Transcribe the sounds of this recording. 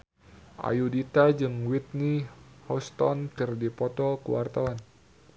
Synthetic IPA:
ʔa̰judit̪ad͡ʒɨŋwit̪̚nihɔst̪ɔ̰nkɨrdipɔt̪ɔkəwart̪awan

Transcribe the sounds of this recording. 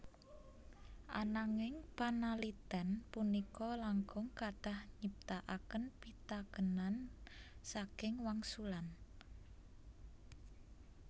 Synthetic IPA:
ʔa̰naŋɪŋpanalid̪̥anpunikɔlaŋɡʊŋkad̪̥ahɲəp̚t̪aʔakənpit̪akənansakɪŋwaŋsulan

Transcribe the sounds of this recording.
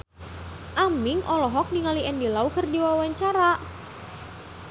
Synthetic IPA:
ʔamɪŋʔɔlɔɦɔk̚niŋaliɛndilaukərdiwawaɲt͡ʃaɾa

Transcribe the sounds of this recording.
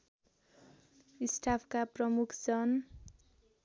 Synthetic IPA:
isʈʰapʰkaprʌmukʰd͡zʌn

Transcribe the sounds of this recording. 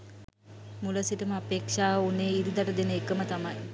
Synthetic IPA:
muləsiʈəməapeːkʂaːuneːiɾid̪aʈəd̪enəekəmət̪amaj

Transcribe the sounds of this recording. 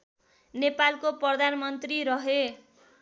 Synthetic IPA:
nepalkoprʌd̪ʱanmʌnt̪riɾʌɦe

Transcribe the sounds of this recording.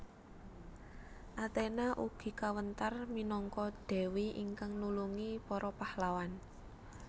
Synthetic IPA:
ʔat̪enaʔuɡ̥i̤kawənt̪arminɔŋkɔɖ̪̥ɛ̤wiʔḭŋkaŋnuluŋipɔɾɔpahlawan

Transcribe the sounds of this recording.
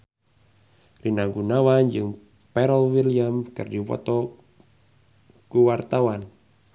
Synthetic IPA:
rinaɡunawand͡ʒɨŋ | pɛɾəlwiliamkɨrdipɔ̰t̪ɔ | kuwart̪awan

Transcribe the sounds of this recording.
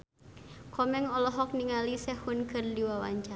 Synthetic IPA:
kʰɔmɛŋɔlɔɦɔk̚niŋalisɛhunkɨrdiwawa̰ɲt͡ʃa

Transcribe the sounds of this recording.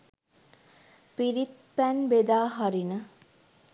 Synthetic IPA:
piɾit̪̚ | pænbed̪aːɦaɾinə

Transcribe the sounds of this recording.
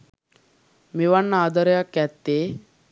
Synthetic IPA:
meʋanːəad̪əɾəjakːæt̪ːeː

